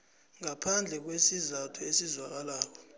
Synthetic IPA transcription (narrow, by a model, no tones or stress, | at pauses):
ŋapʰand͡ɮʱɛk̬wesizatʰuesizwak̬alaːk̬ɔ